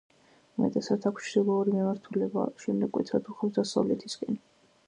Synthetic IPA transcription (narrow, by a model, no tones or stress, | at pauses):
mɛ̰t̪ʼɛsat̪sakʷʰʃʰdɛlˠɔːɾimimaɾt̪ʰulɛba̰ʃɛmnd̪ɛkʼwɛ̰t̪ʰɾat̪ʰuχasd̪asa̰vlɛt̪ʰiskʼɛn